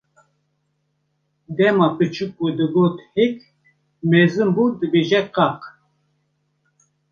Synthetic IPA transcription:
d̪ɛmɑpɨt͡ʃʰuk̚ːud̪ɨɡoːt̪hek | mɛzɨmbud̪ɨbeʒɛqɑq

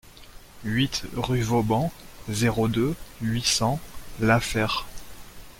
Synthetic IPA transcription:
ɥit̪ʁyvobɑ̃zeʁod̪øɥisɑ̃lafɛʁ

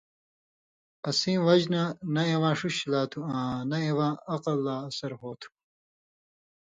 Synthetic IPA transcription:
ɐsĩːwɐd͡ʑnɐnɐewãːʂuɕilaːt̪ʰuãːnɐewãːɐqɐlːaːɐsɐɾɦoːt̪ʰu̥

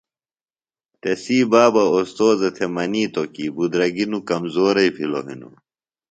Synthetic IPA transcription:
t̪esiːbaːbɐost̪oːzɐt̪ʰemɐniːt̪okiːbud̪ɾɐɡinukɐmzoːɾɐjpʰilo̰ɦḭnṵ

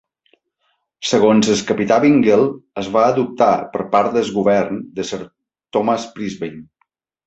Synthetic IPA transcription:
səɣonzəskəpit̪aβiŋɡelˠəzβaəðup̚t̪apəɾpaɾt̪d̪əzɣuβɛɾnd̪əsəɾ | t̪ɔmaspɾizβejn

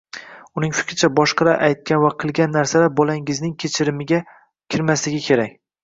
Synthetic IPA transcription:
ʊnɪŋfɪ̥kʲɾɪt͡ʃʰabɒʃqɑɾaʔajt̪̚kʲanvaqʰɨlˠɡʲanːaɾsalabɒlaŋɪznɪŋkʲʰet͡ʃʰɪɾɪmɪɡʲa | kʲʰɪɾmaslɪɡʲɪkʲʰe̞ɾakʲ

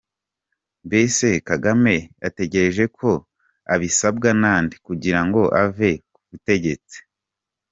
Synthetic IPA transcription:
mbese̞kaɡame̞jate̞ɟe̞ɾe̞ʒe̞kʰo̞ | aβisabɡanaːndikuɟiɾaŋɡo̞ʔa̰ve̞kuβute̞ɟe̞t͡si̥

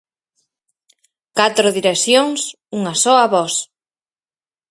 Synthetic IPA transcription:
kat̪ɾʊðiɾeksθjoŋs | uŋasɔaβɔs

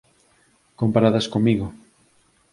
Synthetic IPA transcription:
kompaɾaðaskomːiɣʊ

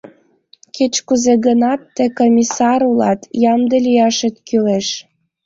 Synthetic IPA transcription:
ket͡ɕkuzeɣənɑt̪ːĕkomʲisɑɾulɑ̰t̪jɑmd̪əlʲijɑʃet̪kyleʃ

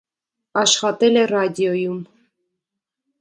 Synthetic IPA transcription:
ɑʃχɑt̪ɛlɛrɑd̪ʲiɔjum

